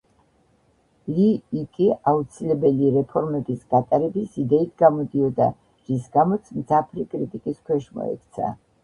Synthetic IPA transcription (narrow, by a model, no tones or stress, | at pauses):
liːkʼiaut̪sʰilɛbɛliɾɛpʰɔɾmɛbisɡat̪ʼaɾɛbisid̪ɛit̪ʰɡamɔd̪iɔd̪a̰ | ɾisɡamɔt̪sʰmd̪zapʰɾikʼɾit̪ʼikʼiskʰwɛʃmɔ̰ɛ̰kʰʼt̪sʰa̰